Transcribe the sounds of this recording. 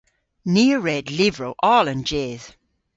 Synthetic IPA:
niəɹɛdlɪvɹowʔɔlə̃nd͡ʒɛːð̥

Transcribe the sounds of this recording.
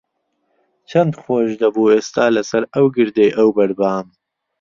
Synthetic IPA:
t͡ʃʰɐnd̪χoːʒd̪ɐbuːest̪aːlasɐɾawɡɪɾd̪eːʔawbɐɽbaːm

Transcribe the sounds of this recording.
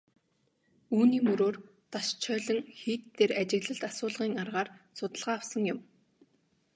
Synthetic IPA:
uːniːmɵɾoːr | t̪aʃt͡ɕʰœːɮɞ̆ŋxiːt̪t̪ʰːeɾat͡ɕɪ̆ɣɮə̆ɮt̪asʊːɮʁiːŋarʁaːrsʊt̪ə̆ɮʁaːwsə̆ŋjʊ̆m

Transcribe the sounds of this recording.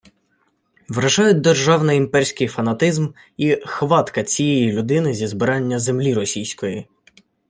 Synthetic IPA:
ʋɾɐʒɑjʊd̚ʲd̪erʒɑwnɪjimpɛrʲsʲkɪjfɐn̪ɐt̪ɪzm | ixʋɑt̪kɐt͡sʲijɛjilʲʊd̪ɪnɪzʲizbɪɾɑnʲːɐzemlʲiɾɔsʲijsʲkɔji

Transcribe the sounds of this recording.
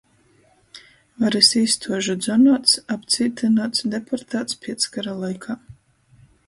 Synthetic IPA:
vaɾisiːst̪ʰuɔʒud̪zɔnaːt̪sapt̪siːt̪ɨnat̪sd̪ɛpʰɔɾt̪aːt̪spʲiɛt̪skaɾalˠajkʰaː

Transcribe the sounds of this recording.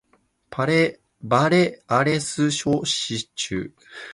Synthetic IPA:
pʰaɾe | baɾe̞aɾe̞sɨɕoɕit͡ɕɨ̰ː

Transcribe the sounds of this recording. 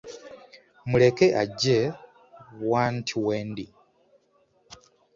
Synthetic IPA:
mulekeʔaɟe | waːntʰiweːndi

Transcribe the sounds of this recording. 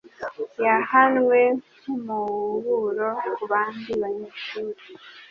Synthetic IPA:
jahanwe | umuβuɾokuβaːndiβaɲeʃuːɾe

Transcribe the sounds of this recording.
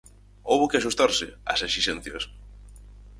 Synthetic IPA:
owβʊkɪaʃust̪aɾsɪa̰seʃiʃɛn̟θjɐs

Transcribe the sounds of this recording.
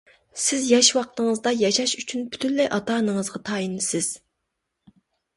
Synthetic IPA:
sɪzjɑʃwɑq̚t̪əŋəzd̪ɑjɑʃɑʃyt͡ʃʰynpʰy̥t̪ʰynlɛʔɑt̪ɑːnəŋəzʁɑt̪ʰɑːjinɪsɪz̥

